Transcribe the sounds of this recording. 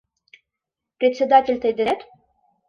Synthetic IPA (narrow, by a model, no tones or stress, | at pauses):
pɾʲet̪sʲed̪at̪ʲilʲt̪əjd̪ɘt̪